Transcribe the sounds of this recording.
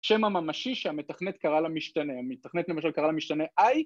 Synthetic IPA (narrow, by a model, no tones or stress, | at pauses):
ʃemamamaʃiʃeame̞taχnet̪kaʁalamiʃt̪ane̞amit̪aχnet̪le̞maʃalkaʁalamiʃt̪ane̞ʔaj